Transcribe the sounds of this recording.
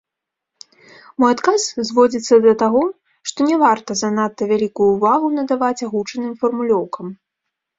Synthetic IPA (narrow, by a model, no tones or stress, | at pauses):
mɔjat̪kaszvɔd͡zʲit̪sːɐd̪ɐt̪aɣɔ | ʂt̪ɔnʲɛvart̪ɐzɐnat̪ːɐvʲalʲikujuːvaɣunɐd̪avat͡sʲaɣut͡ʂɐnɨmfɐrmulʲɔwkɐm